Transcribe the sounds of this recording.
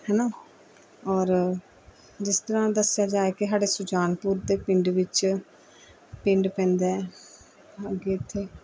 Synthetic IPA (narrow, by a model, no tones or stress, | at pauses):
hɛːnaː | ɔːɾ | d͡ʒɪst̪əɾãːd̪əsːjaːd͡ʒaːeːkɪsaːɽeːsʊd͡ʒaːnpuɾt̪eːpɪɳɖʋɪt͡ʃ | pɪ̃ɳɖpɛ̃ːnd̪ɛɛ | əɡeːt̪ʰːeː